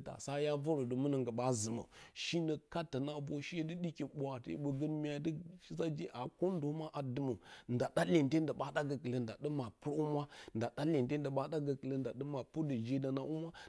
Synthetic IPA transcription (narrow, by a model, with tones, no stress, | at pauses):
ta̰˨sa˦ja˦və˦ɾo˨də˨mə˦nə˨ŋɡə˨ɓa˦zə˨mə̰˨ʃi˦nə˨ka˦tːa˨na˦bo˦ʃi˦je˦də˦ɗi˦kʲi˨bʷa˨tḛ˦ɓə˨ɡə˦n˦mi˦a˨˦də˦ʃi˦za˦d͡ʒe˦ʔa˨ko˦n˦do˨˦ma˦ʔa˨dɨ˦mə˨n˨da˨da˦le˨nte˦n˦də˨ɓa˦da˦ɡə˨kə˨lə˨˦nda˨də˦ma˨pu˦ɾu˦mʷ˦a˦nda˨da˦le˨n˨te˦n˦də˨ɓa˦ɗa˦ɡə˨kə˨lə˦n˦da˨ɗə˦ma˨pu˦də˨d͡ʒe˦da˨na˨˦ʔu˦mʷ˦a˦